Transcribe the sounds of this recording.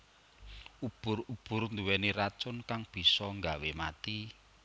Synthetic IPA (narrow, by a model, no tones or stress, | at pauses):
ub̥ʊ̤rub̥ʊ̤rnd̪uwɛnirat͡ʃʊnkaŋb̥i̤sɔŋɡawemat̪i